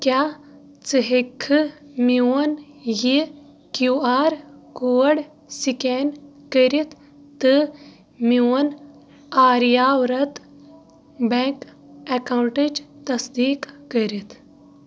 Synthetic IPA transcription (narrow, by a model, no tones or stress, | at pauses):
kjaː | t͡sɨɦekʰːɨmiwɐn | ji | kjuaːɾkuɐɽ | siken | kəɾit̪ʰ | t̪ɨ | miwɐn | aːɾijaːwɾɐt̪ | beŋk | ekawɳʈid͡ʒt̪ɐsd̪iːkːəɾit̪ʰ